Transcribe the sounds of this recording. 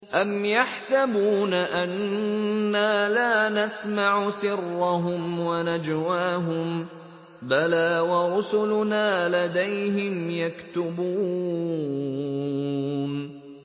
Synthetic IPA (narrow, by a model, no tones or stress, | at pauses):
ʔamjaħsabuːnaʔanː | aːlaːnasmaʕʊsɪrːɑɦʊmwanad͡ʒwaːɦʊm | balaːwaɾʊsʊlʊnaːlad̪ajɦɪmjakt̪ʊbuː | n